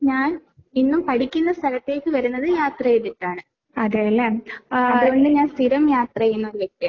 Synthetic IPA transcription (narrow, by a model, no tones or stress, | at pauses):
ɲaːn | inːumpɐɽikʲːunːɐst̪ʰɐlɐt̪ːe̞ːkːɨʋɐɾunːɐðɨjaːt̪rɐjet̪ːiʈːaːɳɨ | ɐðelːɐmɐðɣɣo̞ɳɖɨɲaːnst̪iɾɐmjaːt̪rɐjunːɐoɾuʋjek̚t̪ːija